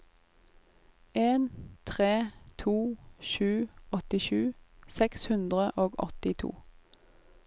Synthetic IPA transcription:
eːnt̪ʰʁeːt̪ʰuːʃʉːɔt̪ɪʃʉːsɛkshʉnd̪ʁəʔoːɡɔ̰t̪ɪt̪ʰṵː

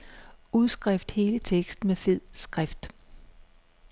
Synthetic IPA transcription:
uðˠsɡ̥ʁafd̥he̝ːlət͡sʰeɡ̥sd̥n̩mefe̝ð̰ˠsɡ̥ʁafd̥

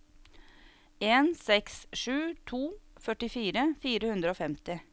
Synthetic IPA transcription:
eːnsɛksʂʉːt̪ʰuːfœʈɪfiːɾəfiːɾəhʉnd̪ɾəoːfɛmt̪ɪ

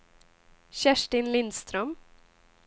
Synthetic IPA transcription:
ɕæʂʈɪnlɪnst̪ɾœm

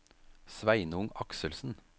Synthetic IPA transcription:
sʋæɪnəʊŋɑksəlsn̩

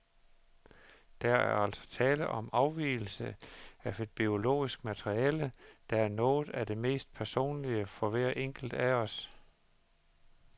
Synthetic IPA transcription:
d̥ææɐæɐæl̰sɒ̥̽t͡sʰɛːləʔɒ̽mʔɑ̈ʊʋḭːl̩səæʋe̝d̥̚b̥io̝lo̝̰ːisɡ̥mæt͡sʰeʁiɛːləd̥æ̈æɐnɔ̽ːð̩ˠæd̥e̝me̝̰ːsd̥̚pʰæɐso̝̰ːnliəfɒ̽ʋæɐ̰ʔeŋ̰ɡ̥l̩d̥æɒ̽s

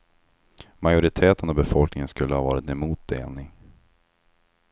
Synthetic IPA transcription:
majʊɾɪt̪ʰeːt̪ənɔbɛfɔlknɪŋənskɵlːəhɑvɑːɾɪt̪ɛmuːt̪̚d̪ḛːlnɪŋ

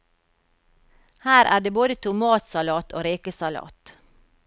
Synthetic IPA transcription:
hæːɾʔæ̰ːɖeːboːd̪ət̪ʰʊmɑːt̪sɑlɑːt̪ʰo̰ːɾiːkəsɑlɑ̰ːt̪

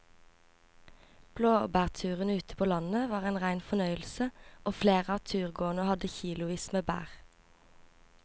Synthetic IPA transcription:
b̥loːbæːʁt̪ʰʉːʁənʉːt̪ə̥pʰoːlɑnəʋɑːʁeɪnʁæɪnfɔnœʏəlsəoːfleːʁəɑːʋt̪ʰʉːʁɡoːnəhɑd̪əçiːlʊʋiːsmeːbæ̰ːʁ

